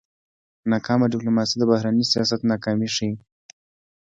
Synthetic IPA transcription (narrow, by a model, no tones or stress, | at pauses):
nɑkɑmaɖɪplumɑsid̪əbahɾanisijɑsat̪nɑkɑmiʂi